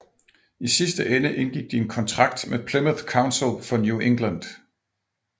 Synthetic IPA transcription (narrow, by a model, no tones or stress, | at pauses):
isisd̥əʔenəʔe̝nɡ̥iɡ̥̚d̥ie̝nkʰɒ̽nt͡sʰʁɑ̈ɡ̥̚d̥mepʰleməθkʰäʊnsl̩fɒ̽njuʔe̝ŋɡ̥lænd̥